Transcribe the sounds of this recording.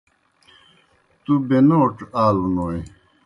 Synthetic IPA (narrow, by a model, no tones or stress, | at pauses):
t̪ubenoʈ͡ʂaːlunoj